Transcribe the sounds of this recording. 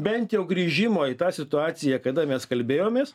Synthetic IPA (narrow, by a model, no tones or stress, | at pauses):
bʲɛnt̪jɛʊɡɾʲiːʒʲɪmoːit̪ɑːsʲɪt̪ʊɑːsʲɪjɛkɐd̪ɐmʲɛskɐlʲbʲeːjoːmʲeːs